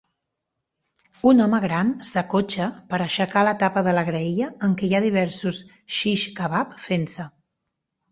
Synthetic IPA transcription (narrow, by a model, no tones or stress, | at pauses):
unɔməɣ̞ɾansəkot͡ʃəpəɾəʃəkalət̪apəðələɣɾəiəːŋkɛjaðiβ̞ɛɾsus | ʃiʃkəβapfensə